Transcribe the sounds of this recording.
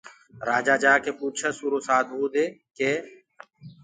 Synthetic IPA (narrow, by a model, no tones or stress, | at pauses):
ɾaːd͡ʒaːd͡ʒaːkeːpuːt͡ʃʰəsuːɾoːsaːd̪ɦuːd̪eːkeː